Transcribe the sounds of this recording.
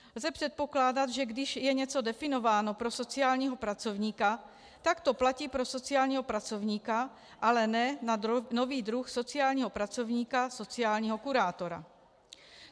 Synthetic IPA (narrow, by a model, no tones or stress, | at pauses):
lzɛpr̥ɛt̪̚po̞klaːdat̪ʒɛɡdɪʃjɛɲɛt͡so̞dɛfɪno̞vaːnopɾoso̞t͡sɪaːlɲiːɦo̞pɾat͡so̞vɲiːka | t̪akt̪o̞placiːpɾo̞so̞t͡sɪaːlɲiːɦo̞pɾat͡so̞vɲiːka | ʔalɛnɛnanoviːd̪ɾuxso̞t͡sɪaːlɲiːɦo̞pɾat͡so̞vɲiːkaso̞t͡sɪaːlɲiːɦokuɾaːt̪o̞ɾa̰